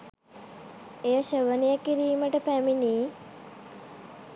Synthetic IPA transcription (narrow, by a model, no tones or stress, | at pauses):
ejəʃəʋənijəkiɾiːməʈəpæminiː